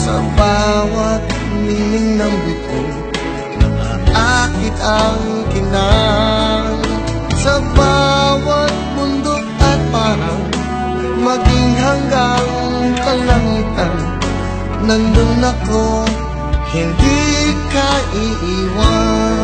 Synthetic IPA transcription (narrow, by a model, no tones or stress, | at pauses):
sɐbawɐt̪̚ | mɪnɪŋnɐŋbɪt̪on | nɐŋa̰ʔakɪt̪ɐŋ | kɪna | ŋ | sɐbawɐt̪̚mʊnd̪okɐt̪̚paɾɐŋ | mɐɡɪŋɦɐŋɡaŋ | kɐlɐŋiːt̪ɐnː | ɐŋd̪ʊŋnɐko | hɪnd̪ikɐʔiʔiːwa